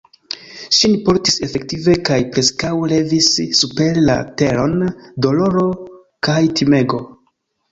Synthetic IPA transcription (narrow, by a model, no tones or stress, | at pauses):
ʃinipo̞ɾtise̞fe̞k̚tive̞kajpɾe̞skawle̞visːupe̞ɾla̰te̞ɾo̞ndo̞lo̞ɾo̞ | kajtʰime̞ɡo̞